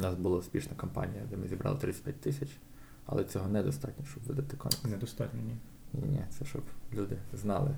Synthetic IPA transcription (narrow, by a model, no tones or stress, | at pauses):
nɑsbʊlˠasʲpʲiʃnɐkɔmpɑ̰nʲijɐd̪ɛmɪzʲibɾʔɑ̰lˠɪt̪ɾɪt̪ːʲpʲjat̚ʲt̪ɪsʲɐt͡ʃ | ɐ̰lˠɛt͡sʲɔɦɔnɛd̪ɔst̪ɑtʲnʲɔʃt͡ʃɔbʋɪd̪ɐt̪ɪkɔ̰mʲknnɛd̪ɔst̪ɑtʲnʲɔnʲi | nʲḭnʲɛt̪sɛʃt͡ʃɔblʲud̪ɪznɑlˠɪ